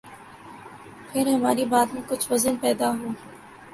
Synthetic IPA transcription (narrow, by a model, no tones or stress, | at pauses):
pʰɪɾɦɐmaːɾibaːt̪mẽkʊt͡ʃʰʋɐzənpɛːd̪aɦõː